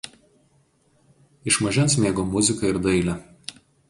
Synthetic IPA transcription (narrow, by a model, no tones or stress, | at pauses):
ɪʃmɐʒʲɛnsmʲeːɡoːmʊzʲɪkɐɪɾd̪ɐɪlʲɛ